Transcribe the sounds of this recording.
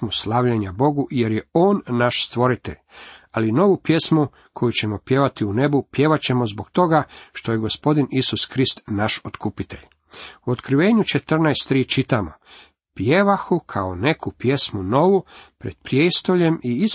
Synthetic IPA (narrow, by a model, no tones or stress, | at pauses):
muslˠaʋʎeɲabo̞ɡuʔje̞ɾjeo̞ːnːaʃst̪ʋo̞ɾit̪e̞̰ʎalino̞ʋupje̞smu | kʰo̞jut͡ɕe̞mo̞pje̞ʋat̪iune̞bupje̞ʋat͡ɕe̞mozboɡt̪o̞ɡaʃt̪o̞jeɡo̞spo̞d̪inisuskɾist̪naʃot̪kupit̪e̞̰ʎ | uot̪kɾiʋe̞ːɲut͡ʃe̞t̪r̩najst̪ːɾiːt͡ʃit̪amo | pjeʋaxukʰaone̞kʰupje̞smuno̞ʋupɾe̞d̪̥pɾjeːst̪o̞ʎe̞miis